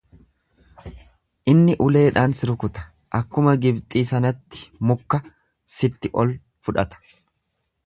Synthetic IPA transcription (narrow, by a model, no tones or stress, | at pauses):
ʔɪnːɪʔʊle̞ːᶑaːnsɪɾʊkʊt̪ɐ̥ | ʔɐkːʊmɐɡɪbt̪ʼiːsɐnɐt̪ːɪ̥mʊkːɐ | sɪt̪ːɪʔɔl | fʊᶑɐt̪ɐ̥